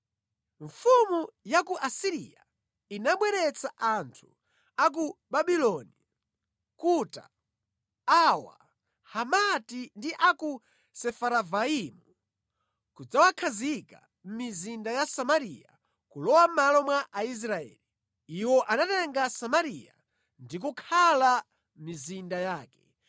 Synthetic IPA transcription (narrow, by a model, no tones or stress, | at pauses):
ɱfumujakuʔasiɾḭja̰ | inaɓwɛɾɛt͡saʔantʰu̥ | ak̬uɓaɓilɔni | kuta̰ | awa̰ | hamatindiʔaku | sɛfaɾavaimu | kud͡zawakʰazika̰ | m̩mizindajasamaɾija | kulɔwamalɔmwaʔais̬ɾaɛ̰ːli | iwɔʔanatɛŋɡasamaɾija̰ | ndik̬ukʰala | mizindajaːkɛ̥